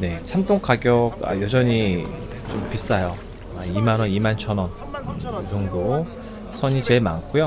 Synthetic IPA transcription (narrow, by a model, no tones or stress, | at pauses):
ne̞t͡ɕʰamt͈oŋkʰaɡjʌk̚a̰jod͡ʑʌɲi | t͡ɕompis͈ajo | aimanʌnimant͡ɕʰʌnʌn | ɯɯdoŋdo | sʰʌɲit͡ɕe̞ɭma̰nk͈ʰujo